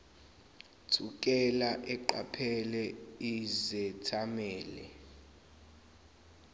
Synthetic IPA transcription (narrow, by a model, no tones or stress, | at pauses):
tʰukʼɛlaʔɛǃa̰pʰɛlɛizɛtʰamɛːlɛ̰